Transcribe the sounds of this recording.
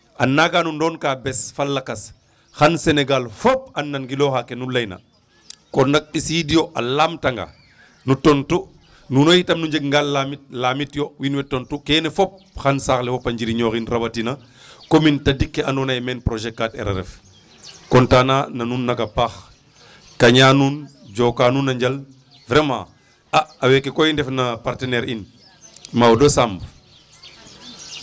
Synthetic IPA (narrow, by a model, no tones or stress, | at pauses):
ʔanːaɡanundɔːnkaːbɛsfalːakɐs | xanseneɡalfop̚anːɐnɡilɔːxakenulɐjna̰ | kondak̚ɓisidijoʔalaːmtaŋɡa̰ | nutontu | nunojitɐmnuɲd͡ʒeɡŋɡalːamit̚lamitjowinwɛtontukenɛfop̚xansaːxlɛfɔpɐɲd͡ʒiɾiɲoːxinrɐbɐtina | komintɐdikːeɐndɔnajmɛːnpɾɔʒɛkːatɛ̰ɾɛ̰ɾɛ̰f | kɔntaːnanɐnuːnːɐkɐpaːx | kɐɲaːnuːn | d͡ʒɔːkaːnunːɐɲd͡ʒɐl | vɾɛmã̰ː | ʔaɐwɛkːekɔjindɛfnɐpaɾtɛnɛɾin | mawdosamb